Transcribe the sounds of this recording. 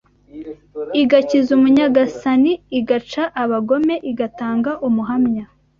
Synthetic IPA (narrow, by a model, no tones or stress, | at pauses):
iɡacizumuɲaɡasaniːɡat͡ʃaʔaβaɡo̞me̞ʔiɡataːŋɡaʔumuɦamɲa